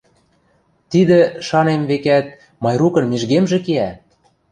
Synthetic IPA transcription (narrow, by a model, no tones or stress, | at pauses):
t̪id̪ĕʃɑnemβekæt̪̚ | mɑjɾukɤ̆nmiʒɣemʒĕkeæ